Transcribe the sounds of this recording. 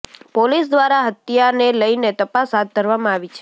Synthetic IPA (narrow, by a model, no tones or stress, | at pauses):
polisd̪ʋaɾaɦət̪ijaneləinet̪əpasɦat̪̚ɡəɾʋamãaʋit͡ʃʰ